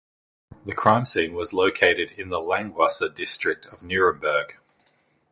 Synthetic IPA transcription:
ðəkʰɹ̥ɑ̃ɪ̃msĩːnwɒzləʊkʰeɪɾɪɾɪ̃nðəlæ̃ŋɡwɑsədɪstɹ̥ɪk̚tʰəvnjʉːɹə̃mbɜːɡ̥

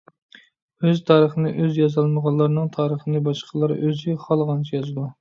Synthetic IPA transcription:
øzt̪ʰɑːɾəχənɪʔøzjɑzɑlˠməʁɑlːˠɑɾnɨŋt̪ʰɑːɾəχənɨbɑʃqʰəlˠɑɾøzɪχɑlˠʁɑnt͡ʃʰijɑzɨd̪u

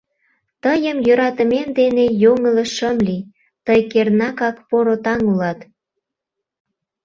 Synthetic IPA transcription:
t̪əjəmjøɾɑt̪əmemd̪enejoŋələʃəmli | t̪əjkernɑkɑkpoɾot̪ɑŋulɑt̪

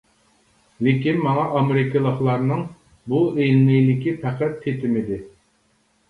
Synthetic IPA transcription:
lɪkʲinmɑŋɑʔɑmeɾɪkəlˠəχlˠɑɾnɨŋ | buelmɪjlɪkʲipʰæqæt̪ʰːet̪ʰɪmɪd̪ɪ

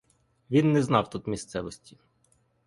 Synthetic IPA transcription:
ʋʲinːɛznɑwt̪ut̪mʲist̪sɛʋɔsʲtʲi

